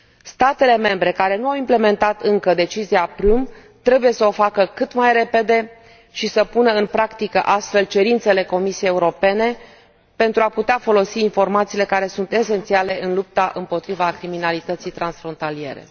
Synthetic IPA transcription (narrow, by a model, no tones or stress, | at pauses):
st̪at̪e̞le̞me̞mbɾe̞kaɾe̞nuawimple̞me̞nt̪at̪ɨŋkəd̪e̞t͡ʃiziapɾum | t̪ɾe̞buje̞səo̞fakəkɨt̪majre̞pe̞d̪e̞ | ʃisəpunəɨnpɾakt̪ikəʔast̪fe̞lt͡ʃe̞ɾint̪se̞le̞ko̞misiejeuɾo̞pe̞ne̞ | pe̞nt̪ɾuaput̪eafo̞lo̞siːnfo̞rmat̪siːle̞kaɾe̞sunt̪e̞se̞nt̪siale̞ɨnlup̚t̪aʔɨmpo̞t̪ɾivakɾiminalit̪ət̪sijt̪ɾansfɾo̞nt̪alie̞̰ɾḛ